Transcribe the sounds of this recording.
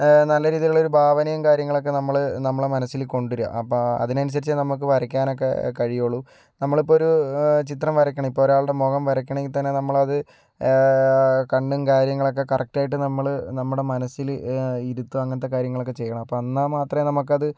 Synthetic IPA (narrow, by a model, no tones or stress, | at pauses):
nɐlːɐɾiːðijaɭo̞ɾubʱaːʋɐnijɐmkaːɾjɐŋːɐɭo̞k̬ːe̞nɐmːɐɭnɐmːɐɭemɐnɐsːilko̞ɳɖiɾɐ̰ɐ̰pːoɐ̰ðinɐnus̬ɐɾit͡ɕːɨnɐmuk̬ːɨʋɐɾɐk̬ʲːaːno̞k̬ːe̞̰kɐɻijoːɭːu | nɐmːɐɭipːooɾut͡ɕit̪rɐmʋɐɾɐkʲːɐɳɐmipːoːɾaːɭɽe̞mo̞ːɣɐmʋɐɾɐkʲːɐɳɐŋɡit̪ɐnːe̞nɐmːɐɭɐðɨ | kɐɳɖumkaːɾjɐŋːɐɭo̞k̬ːe̞kɐrɐk̚ʈaːjiʈ̬ːɨnɐmːɐɭnɐmːuɽe̞mɐnɐsiliɾut̪ːuɐŋːɐnɐt̪̬ːe̞kaːɾjɐŋːɐɭo̞kːe̞t͡ɕe̞jːɐɳɐmɐpːoːɐnːamaːt̪rɐmnɐmuk̬ːɐðɨ